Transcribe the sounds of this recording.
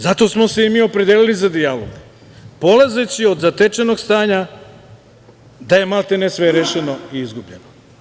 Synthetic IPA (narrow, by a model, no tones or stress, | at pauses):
zat̪o̞smo̞seimiːo̞pɾed̪jeːlilizad̪ijalo̰ɡ | po̞laze̞t͡ɕio̞d̪zat̪et͡ʃeno̞ɡst̪aːɲa | d̪aje̞malˠt̪enesʋeɾeʃeno̞iizɡubʎeno